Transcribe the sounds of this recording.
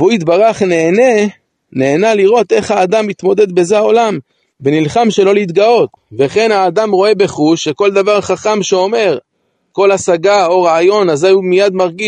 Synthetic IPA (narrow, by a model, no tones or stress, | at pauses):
veuit̪baʁaχneːne | neːnaliʁo̞t̪e̞χhaːd̪amit̪mo̞d̪e̞d̪be̞zeao̞lam | benilχamʃe̞lo̞lit̪ɡao̞t̪ | veχe̞nhaːd̪amʁo̞e̞be̞χuʃːe̞ko̞ld̪avaʁχaχamʃeo̞me̞ʁ | ko̞lasaɡao̞ʁaajo̞nazajumijad̪maʁɡiʃ